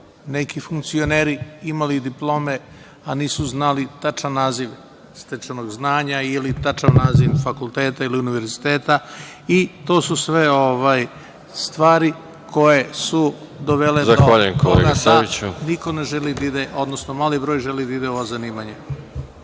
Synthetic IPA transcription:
ne̞kifuŋkt̪sioneːɾiimalid̪iplˠo̞ːme | aniːsuznalit̪at͡ʃanːaːziʋ | st̪et͡ʃanoɡznaːɲailit̪at͡ʃaʋnaːziʋfakulˠt̪eːt̪ailiuniʋe̞ɾzzit̪eːt̪a | it̪o̞ːsusʋe̞o̞ʋaj | st̪ʋaːɾi | kʰo̞je̞sud̪oʋeledzaxoʋaʎujenkʰolḛɡasait͡ɕunikoneʒelid̪aid̪eʔo̞d̪nosnomaːlibɾo̞ːjʒe̞lid̪aid̪eoʋazaniːmaɲe

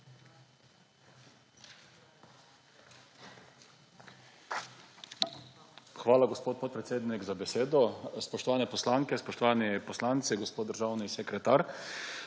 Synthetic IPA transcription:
xʋaːlaɡɔspoːt̪̚pɔt̪̚pɾɛt̪seːd̪nikzabɛseːd̪ɔspɔʃt̪ɔʋaːnɛpɔslaːŋkɛspɔʃt̪ɔʋaːnipɔslaːnt̪siɡɔspoːd̪d̪əɾʒaːwnisɛkɾɛt̪aːɾ

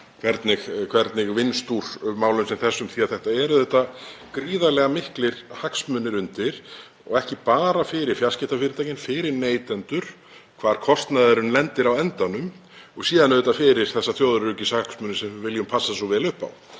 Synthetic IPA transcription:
kʰvɛɾt̪nɪɣkʰv̥ɛɾt̪nɪɣvɪnst̪uɾ̥maːwlʏmsɛmθɛsːʏmθiaðθɛht̪aɛɾʏðɛht̪ːakɾiːðalɛɣamɪhklɪɾ̥haksmʏnːɪɾʏnt̪ɪɾ̥ | ɔ̰ɣɛhcɪpaːɾafɪɾɪɾ̥fjascɪht̪afɪɾɪt̪aːjcɪnfɪɾɪɾneːjt̪ɛnt̪ʏɾ̥ | kʰv̥aːɾ̥kʰɔst̪naðɪɾʏnlɛnt̪ɪɾawɛnt̪anʏm | ɔɣsiːðanɛðɛt̪afɪɾɪɾ̥θɛsːaθjoːwðɾrʏcɪsahaksmʏnɪsɛmvʏvɪljʏmpʰasːasɔvɛlʏhpa̰w

